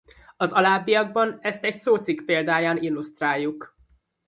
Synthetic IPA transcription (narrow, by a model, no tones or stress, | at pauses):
ɒzɒlaːbːiɒɡ̚bɒnɛst̪ɛcsoːt̪sikpeːld̪aːjaːnilːust̪raːjːuk